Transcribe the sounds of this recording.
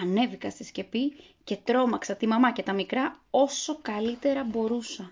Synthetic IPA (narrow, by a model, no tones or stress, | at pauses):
ɐne̞vikɐst̪isce̞pi | ce̞t̪ɾo̞mɐksɐt̪imɐmɐce̞t̪ɐmikɾɐo̞so̞kɐlit̪e̞ɾɐbo̞ɾusɐ